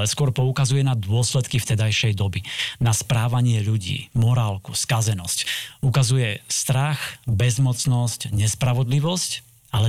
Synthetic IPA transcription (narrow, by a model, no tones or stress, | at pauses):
ɛskwɔɾpɔukazujɛnad̪ʊɔslɛt̪kift̪ɛd̪ajʃɛjd̪ɔbinaspɾaːʋaɲɪɛʎuɟḭːmɔɾaːlku̥skazɛnɔscukazujɛst̪ɾaxbɛzmɔt͡snɔscɲɛspɾaʋɔd̪liʋɔsc | alɛ